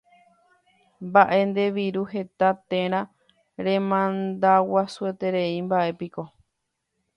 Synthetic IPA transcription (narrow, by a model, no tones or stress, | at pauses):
mbaʔe̞nd̪e̞ʋiɾuɦe̞t̪at̪ẽ̞ɾ̃ã | ɾẽ̞mãnd̪awasue̞t̪e̞ɾe̞imbaʔe̞piko̞